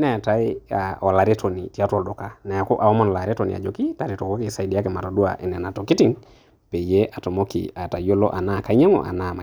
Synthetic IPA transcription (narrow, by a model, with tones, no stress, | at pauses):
nɛ˨ta˦ɪ˦a˨ɔ˨la˨ɾe˦to˨ni˨ti˨a˦twɔ˨ldɔ˨ka˦nɛ˨a˨ko˦ʔa˨ɔ˦mɔ˨nla˨ɾe˦to˨nḭ˨a̰˨d͡ʒo˨ki˦ta˨ɾi˨to˨ko˦kɪ˨sa˨i˨di˨a˦kɪ˨ma˨ɾo˨du˦a̰˨ʔɛ˨nɛ˨na˨to˨ki˦ti˦ŋ | pe˨je˦ʔa˨to˨mo˦kḭ˨a˨ta˨jo˦lɔ̰˦ʔa˨na˦˨ka˨˦ɲa˦ŋɔ̰˨ʔa̰˨na˦˨ma˨